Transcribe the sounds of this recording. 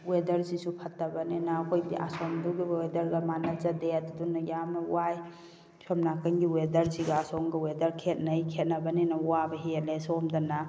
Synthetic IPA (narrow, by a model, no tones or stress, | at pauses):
wedɐɾsisupʰɐtːɐbɐnenɐːkʰojbiʔa̰sɔmduɡiedɐɾɡɐmanɐzɐdetdunːɐjamɐwaj | sɔmnakɐnɡiwedɐɾsiɡɐasɔŋɡɐwedɐɾkʰet̚nɐjkʰet̚nɐbɐnenɐwabɐɦelesɔmdɐna